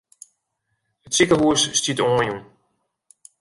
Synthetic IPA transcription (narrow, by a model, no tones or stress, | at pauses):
ətsikəɦuəsːtitɔːnjun